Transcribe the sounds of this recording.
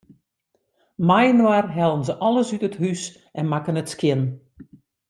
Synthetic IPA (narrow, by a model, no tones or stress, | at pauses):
majnwarɦɛlˠənzəʔɔlˠəsytəthys | ʔɛnmakənətskjɪn